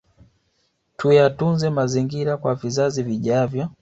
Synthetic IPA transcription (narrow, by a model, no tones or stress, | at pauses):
tujatunzɛmaziŋɡiɾakwavizaziviʄavjɔ